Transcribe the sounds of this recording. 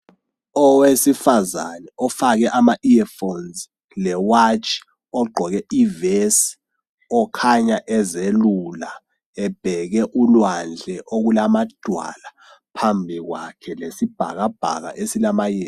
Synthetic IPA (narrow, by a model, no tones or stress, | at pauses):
ɔwesifazanɛɔfak̬ɛʔamaʔiɛfonz | lɛwat͡ʃʰʼ | ɔɡ͡ǃʱɔk̬ɛives | ɔkʰaɲaʔɛzelula | ɛb̥ʱɛk̬ɛʔulwand͡ɮʱɛʔok̬ulamad̥ʱwa̰la | pʰambʱik̬wakʰɛlesib̥ʱa̰k̬ab̥ʱa̰k̬a̰ʔesilamajɛ